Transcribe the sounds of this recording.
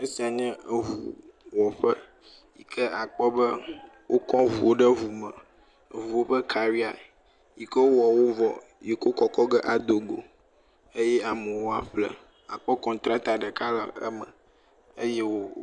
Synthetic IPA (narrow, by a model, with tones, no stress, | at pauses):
ə˦si˨a˨ɲɛ̃˦˨vṵ˨wɔ˨ɸə˦ | ḭ˨kʰə˦a˨k͡pɔ˦bə˦ | wo˦kɔ̃˦ɦu˨wo˦ɖə˦vu˨mə̃˨ | vu˨wo˦ɸə˦kʰa˨ɾi˦a˨ | ji˨kə˦wo˦wɔ˨wo˦vɔ̰˨ | ji˨ko˦kɔ˦kɔ˦ɡə˦ʔa˨d̪o˨ɡo̰˨ | ə˦jɛ˦a˨mə˨wo˦a˨ɸlə̰˦ | a˨k͡pɔ˦kɔ̃˨t̪ɾa˦t̪a˨ɖə˨ka˦lə̰˨ə̰˦mə̰̃˨ | ə˦jɛ˦wo˦